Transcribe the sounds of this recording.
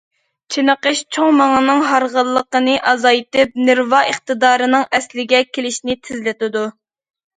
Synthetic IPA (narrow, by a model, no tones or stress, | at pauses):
t͡ʃʰinəqəʃt͡ʃʰoŋmɑŋɑnɨŋɦɑɾʁəlˠːəqənɨʔɑzɑjt̪ɨp̚nɪɾvɑʔəχt̪ɨd̪ɑːɾɨnɨŋɛslɪɡʲɛkʲʰelɪʃnɪt̪ʰɪzlɪt̪ɪd̪u